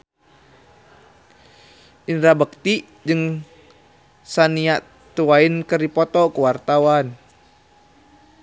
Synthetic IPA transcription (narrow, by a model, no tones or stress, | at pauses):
ʔinɾabək̚t̪i | d͡ʒɨŋ | saniaʔ | t̪uwainkəripɔt̪ɔkəwart̪awan